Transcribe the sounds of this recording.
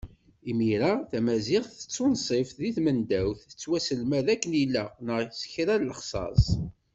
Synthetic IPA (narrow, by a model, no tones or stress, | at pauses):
imiɾaθæmæzɪχθə̥t͡sːʊnsˤefðiθmənd̪æwθət͡sːwæsəlmæðækːənilːænəʁsə̥çɾælləχsˤɑ̰sˤ